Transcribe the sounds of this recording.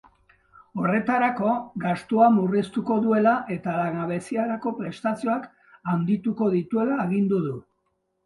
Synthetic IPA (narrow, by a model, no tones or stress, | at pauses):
o̞re̞t̪aɾako̞ɡast̪uamurist̪uko̞ðue̞laʔe̞t̪alaŋaβe̞siaɾako̞pɾe̞st̪asioak | and̪it̪uko̞ðit̪ue̞laːɣind̪uðu